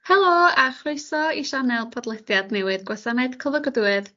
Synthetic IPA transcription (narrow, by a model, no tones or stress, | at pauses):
hɛlˠoːaχrʊɨsɔiʃanɛlˠpʰɔdlˠɛdjadnɛwɨðɡwasanɛd̥kʰəvəɡəduɨð